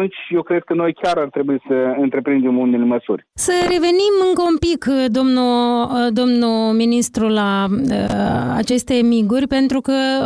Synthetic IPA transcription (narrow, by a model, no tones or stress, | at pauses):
unt͡ʃʲje̞wkɾe̞d̪̚kəno̞jkʲaɾart̪ɾe̞bujisəɨnt̪ɾe̞pɾind̪e̞mulneleməsṵrʲsəɾe̞ve̞nimɨŋkəumpikd̪o̞mnud̪o̞mnuminist̪ɾulaəa̰t͡ʃe̞st̪e̞miɡurʲpe̞nt̪ɾukə